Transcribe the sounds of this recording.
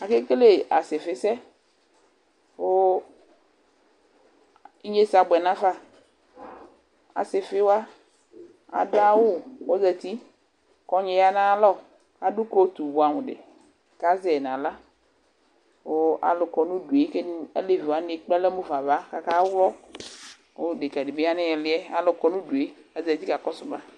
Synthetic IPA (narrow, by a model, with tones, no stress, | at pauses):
a˨ke˦ke˦le˦ʔa˨se˨fɪ˦sɛ˦ | wo˦ | i˦ɲe˦sa˨ɡ͡bɛ˨nã˦fa˦ | a̰˨se˨fe˦wa˦ | a̰˨da˦wo˦wo˦zɛ˨t̪i˦ | kɔ˨ɲe˨ja˨nã˦lɔ˦ | ka˦du˦ko˦t̪u˨bu˨a˨mẽ˨ɖɪ̰˨ | ka˦zɛ˨nã˨la˦ | wo˦a̰˨lʊ˨kɔ˨nũ˦du˨e˨˦ke˦n˦ḛ˦le˦˨vi˨wa˦ne˨k͡pɛ˦lɛ˦mo˦va˨va˦ka˨ka˦wlɔ˦ | wo˦de˨ka˨de˨be˦a˦nɪ˦ɛ˨lɪ˨˦ɛ˦a˨lʊ˨kɔ˨nũ˦du˨e˦ | a˨zɛ˨t̪i˦ka˨kɔ˦sʊ˦ba˦